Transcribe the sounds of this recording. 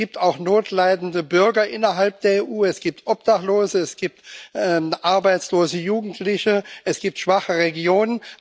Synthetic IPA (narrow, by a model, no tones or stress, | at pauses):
iːp̚taʊxnoːtʰlaɪdn̩dəbʏɐɡɐʔɪnɐɦalp̚d̥eːɐeːʔuːɛsɡ̥iːp̚tʔɔp̚d̥aχloːzəɛsɡ̥iːp̚tʔɛʔaɐbaɪt͡sloːzəjuːɡŋ̩tʰlɪçəʔɛsɡ̥iːp̚tʃv̥aχəʁeɡjoːnən